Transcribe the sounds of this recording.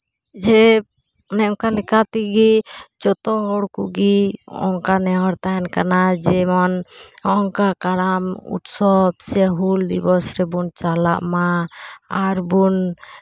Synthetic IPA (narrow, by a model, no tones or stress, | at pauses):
d͡ʒɛ | nɛɔŋkanɛkat̪iɡid͡ʒɔt̪ɔɦɔɽkuʔɡiɔ̰ŋkanɛɦɔɾt̪aɛnkanad͡ʒɛmɔnɔŋkakaɽamṵt̪sɔbsɛɦuld̪ibɔsɾɛbunt͡ʃala̰ʔmaaɾbun